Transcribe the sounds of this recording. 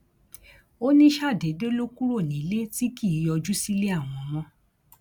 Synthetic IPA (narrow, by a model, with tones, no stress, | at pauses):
o˦nĩ˦ʃa˦˨de˨˦de˦lo˦ku˦ɾo˦˨nĩ˨˦le˦ti˦ki˦˨jɔ˧d͡ʒu˦si˦le˦a˦˨w̃ɔ̃˧mɔ̃˦